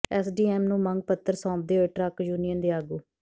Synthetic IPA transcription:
ɛːsɖiːɛːmnũːməŋɡ̚pət̪ːəɾsɔ̃ːd̪eːɦoʈɾəkjuːnijənd̪eːaːɡuː

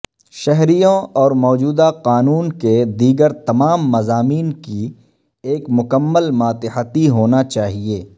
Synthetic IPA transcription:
ʃɛɦɾijõɔːɾmɔːd͡ʒuːd̪aqaːnuːnked̪iːɡəɾt̪ɐmaːmːɐzaːmiːnki | eːkmʊkəmːəlmaːt̪ɪħət̪iɦoːnat͡ʃaːɦieː

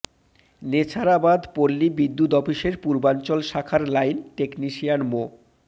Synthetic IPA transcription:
net͡ɕʰaɾabad̪poɾːibid̪ːut̪ɔpiʃeɾpuɾbant͡ɕolʃakʰaɾlajnʈekniʃijanmo

